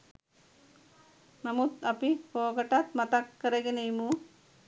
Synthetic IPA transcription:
nɐmut̪ɐpikoːɡɐʈat̪̚mɐt̪ɐkːɐɾɐɡinejmu

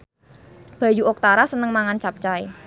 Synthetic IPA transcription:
b̥a̤juʔok̚t̪aɾasənəŋmaŋant͡ʃap̚t͡ʃae

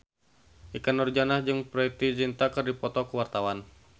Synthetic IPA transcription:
ʔikanɔrd͡ʒanahd͡ʒɨŋpɾɛt̪id͡ʒint̪akɨrdipɔt̪ɔkəwart̪awan

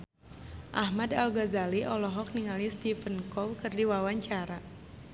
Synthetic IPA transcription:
ʔahmadalɡazaliʔɔlɔɦɔk̚niŋalist̪ifənkɔwkərdiwawaɲt͡ʃaɾa

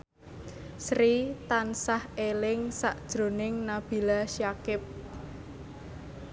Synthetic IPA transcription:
sɾit̪ansahelɪŋsaʔd̥ʒ̥ɾo̤nɪŋnab̥i̤laʃjakɪp̚

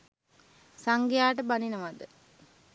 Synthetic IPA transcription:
saŋɡejaːʈəbaninəʋad̪ə

